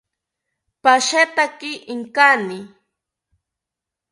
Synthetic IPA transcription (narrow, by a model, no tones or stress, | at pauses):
paʃat̪akɪʔɪŋkanɪ